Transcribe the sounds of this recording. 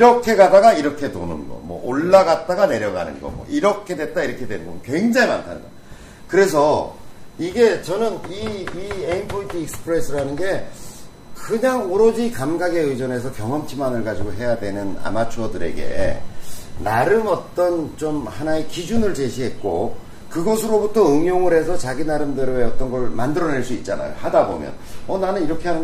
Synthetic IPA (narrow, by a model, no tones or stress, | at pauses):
iɾʌkʰe̞ɡadaɡaiɾʌkʰe̞to̰nɯ̰nɡʌ̰mwʌ̰ʔoɭːaɡat̚t͈aɡane̞ɾjʌɡa̰nɯ̰nɡʌ̰mwʌ̰iɾʌkʰe̞dwet̚t͈aiɾʌkʰe̞dwenɯnɡʌ̰kwe̞ŋd͡ʑaŋima̰ntʰa̰nɯnɡʌ̰ | kɯɾe̞s̬ʰʌ | iɡe̞t͡ɕʌnɯniienpʰotʰiːk̚sɯ̥pʰɯɾes͈ʰɯɾanɯnɡe̞ | kɯɲaŋoɾʌd͡ʑikamɡaɡe̞ɯd͡ʑʌne̞sʰʌkjʌŋɦʌmt͡ɕʰimanɯɭɡad͡ʑiɡoɦe̞jadwe̞nɯna̰mat͡ɕʰʌdɯɾe̞̰ɡe̞̰ | naɾɯmʌt͈ʌnt͡ɕomhanaekid͡ʑunɯɭt͡ɕe̞ɕʰiɦe̞t̚k͈o̰ | kɯɡʌsʰɯɾobutʰʌɯŋjoŋɯɾɦe̞sʰʌt͡ɕaɡinaɾɯmdɯɾeʌt͈ʌnɡʌɭmandɯɾʌne̞ɭs͈uit̚t͡ɕ͈ana̰jo̰hadabo̰mjʌ̰nʌnanɯniɾʌkʰe̞ɦanɯ